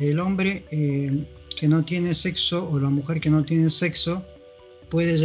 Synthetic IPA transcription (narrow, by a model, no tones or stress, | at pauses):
elõ̞mbɾee | kenot̪je̞neseksoːlamuxeɾkenot̪jenesekso | pweðeʝ